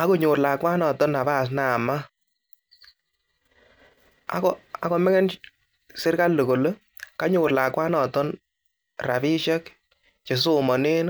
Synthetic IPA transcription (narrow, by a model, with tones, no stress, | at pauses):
a˦ko˦ɲʊ˨rlaː˨kwa˦nɔ˨tɔ˦na˨ba˦˨s̬na˨ma˦ | a̰˦kɔ˨a˨kɔ˨mɛ˦ŋɛ˦n | sɪ˦ɾka˦lːu˨ɡo˨l | ka˦ɲʊː˨rlaː˨kwa˦nɔ˨tɔ˦n | ra˨bi˦ʃɛ˦k | t͡ʃe˨so˦mɔ˨ne˦n˦